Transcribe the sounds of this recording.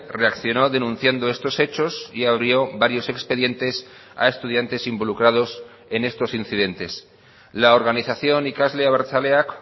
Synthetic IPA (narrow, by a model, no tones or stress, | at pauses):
re̞akθjo̞no̞ðe̞nũn̟θjand̪o̞e̞st̪o̞se̞t͡ʃo̞siaβ̞ɾjo̞βaɾjo̞se̞kspe̞ðje̞nt̪e̞sa̰e̞st̪uð̞jant̪e̞simbo̞lukɾað̞o̞s | e̞ne̞st̪o̞sinθiðe̞nt̪e̞s | laoɾɣaniθaθjo̞nikazleaβaɾθaleak